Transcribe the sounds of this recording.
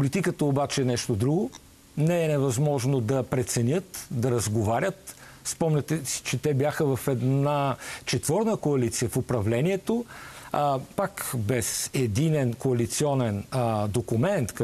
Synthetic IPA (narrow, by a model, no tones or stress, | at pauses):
polit̪ikət̪əobat͡ʃɛːnɛʃt̪od̪ɾuɡo | nɛɛnɛvɐzmɔʒnod̪ɐpɾɛt̪sɛnʲət̪d̪ɐɾɐzɡovaɾʲət̪ | spɔmnʲɐt̪ɛsi̥t͡ʃɛt̪ɛbjaxəvɐfɛd̪nat͡ʃɛt̪vɔɾnəkoɐlit̪sijəfʊpɾɐvlɛniɛt̪o | pakbɛsɛd̪inɛnkoɐlit̪siɔnɛnd̪okumɛnt̪k